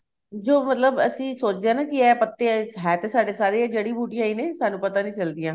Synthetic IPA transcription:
d͡ʒoːmət̪ləbəsĩːsoːt͡ʃd̪eaːnãːkɪɛːpət̪ːeːɦɛːt̪eːsaːɖeːsaːɾeːad͡ʒeːɽiːbuːʈijãːiːneːsaːnũːpət̪aːnĩːt͡ʃəld̪ijãː

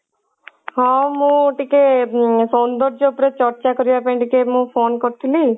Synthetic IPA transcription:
ɦɔ̃mũʈikesɔnd̪ɔɾd͡ʒopɾet͡ʃɔɾt͡ʃakɔɾibapãʈikemũpʰoːnkɔɾt̪ʰili

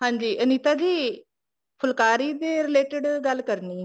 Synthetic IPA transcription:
ɦãːɲd͡ʒiːʔəniːt̪aːd͡ʒiː | pʰʊlkaːɾiːd̪eːɾɪleːʈɪɖɡəlkəɾniː

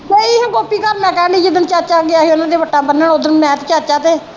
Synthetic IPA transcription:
keiːɦãːɡoːpiːkəɾmɛ̃ːkɛːniːd͡ʒɪd̪ənt͡ʃaːt͡ʃaːɡɪaːɦeːʊnãːd̪eːʋəʈːaːbənːəɳʊd̪ənmɛ̃ːt̪t͡ʃaːt͡ʃaːt̪eː

